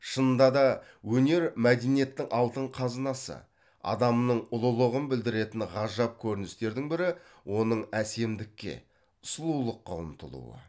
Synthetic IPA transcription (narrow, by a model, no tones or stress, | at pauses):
ʃənnd̪ɑd̪ɑ | wɵne̞ɾmæd̪enije̞t̪ːɪŋʔɑlˠt̪əɴqʰɑznɑsə̰ | ɑ̰d̪ɑmnəɴʊlˠəlˠəʁənbɪld̪ɪɾe̞t̪ɪnʁɑʒɑp̚kʲʰɵɾɪnɪst̪e̞ɾd̪ɪŋbɪɾɪwʔo̞nəɴæse̞md̪ɪkʲːe̞̰ | ʊ̥slˠulˠəqːɑə̰mt̪ʰə̰lˠṵwə̰